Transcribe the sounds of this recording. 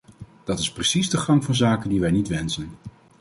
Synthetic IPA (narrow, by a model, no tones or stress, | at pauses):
d̥ɑtɪsprəsizdəχɑŋvɑnzaːkəndiʋɛjnitʋɛnsən